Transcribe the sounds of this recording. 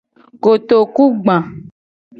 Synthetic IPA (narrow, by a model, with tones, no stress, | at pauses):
ko˨t̪o˨ku˦ɡ͡bã˨